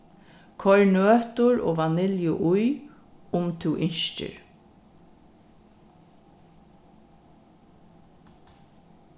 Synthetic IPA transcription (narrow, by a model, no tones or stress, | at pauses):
kʰɔɹnøːt̪ʊɹo̰ːʋanɪljʊʔʊj | ʊmt̪ʰuːʔɪɲʃt͡ʃə̰ɹ